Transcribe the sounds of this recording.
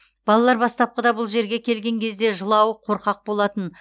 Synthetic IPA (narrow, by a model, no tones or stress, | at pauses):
b̥ɑlˠɑlˠɑɾbɑst̪ɑp̚qəd̪ɑbʊlˠʒe̞ɾɡʲe̞kʲʰe̞lɡʲe̞ŋkʲʰe̞zd̪e̞ʒəlˠɑwəqʰo̞ɾqɑq̚bo̞lˠɑt̪ən